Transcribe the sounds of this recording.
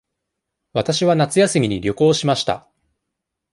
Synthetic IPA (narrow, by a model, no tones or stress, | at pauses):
βat̪aɕiβanat͡sɨjasɨmʲiɲ̟iɾʲo̞ko̞ːɕimaɕi̥t̪a̰